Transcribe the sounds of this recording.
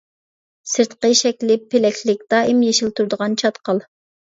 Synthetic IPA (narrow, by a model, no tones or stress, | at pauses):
sɨɾt̪qəʃɛkʲlɪpʰːelɛkʲʰlɪk̚ʲd̪̥ɑːimjeʃilt̪ʰuɾd̪əʁɑnt͡ʃʰɑt̪qʰɑlˠ